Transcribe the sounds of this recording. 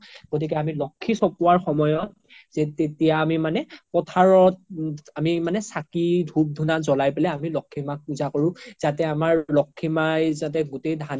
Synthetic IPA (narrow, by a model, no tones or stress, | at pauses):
ɡ̥ot̬ik̬ɛamilɔkʰːisɔpʊwaɹxɔmɔjɔt̚ | z̥ɛtetijaːmimanɛpɔtʰaɹɔt̚amimanɛsakidʱub̚dʱunazɔlajpɛlɛamilɔkʰːimak̚puzakoɹʊ̃z̥atɛamaɹlɔkʰːimajzat̬ɛɡutejdʱan